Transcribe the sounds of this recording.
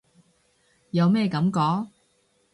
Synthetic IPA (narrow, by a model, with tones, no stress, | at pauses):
jɐ˨˧wmɛː˥˧kɐ˨˥mkɔː˨˥ŋ